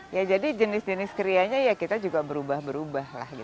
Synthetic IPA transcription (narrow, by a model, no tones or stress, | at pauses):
jad͡ʒadid͡ʒənɪsd͡ʒənɪskəɾiaɲajakit̪ad͡ʒuɡabəɾubahbəɾubahla̰hɡit̪